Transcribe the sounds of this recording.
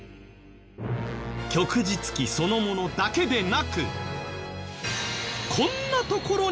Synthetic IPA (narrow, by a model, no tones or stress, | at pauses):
kʲo̞kɯ̟d͡ʑit͡sɨ̥kʲiso̞no̞mo̞no̞d̪ake̞d̪e̞nakɯ̰ | kʰõ̞nːat̪o̞ko̞ɾo̞